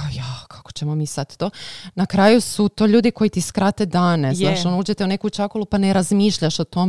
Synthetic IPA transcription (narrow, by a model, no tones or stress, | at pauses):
ajakʰḁko̥t͡ɕemo̞miːsat̪t̪oːnakɾaːjusut̪o̞ːʎuːd̪iko̞jit̪iskɾat̪e̞d̪aːne̞zaːʃonuːd͡ʒet̪eune̞kut͡ʃakolˠupane̞ɾazmiːʃʎaʃot̪o̞m